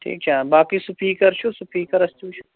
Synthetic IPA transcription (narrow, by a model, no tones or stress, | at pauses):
ʈʰḭːk̚t͡ʃʰaːbaːkisupʰiːkɐɾt͡ʃʰusupʰiːkɐɾɐst͡ʃũːt͡ʃʰu